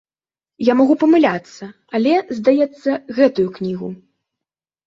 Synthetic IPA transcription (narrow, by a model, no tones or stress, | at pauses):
jamaɣupɐmɨlʲat̪sːɐ | alʲɛzd̪ajɛt̪sːɐɣɛt̪ujuknʲiɣu